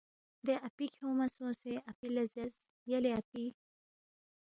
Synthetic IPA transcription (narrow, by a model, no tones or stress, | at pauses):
d̪eʔɐpikʰoːmɐsõːseʔɐpilɐzɐɾs | jɐleɐpi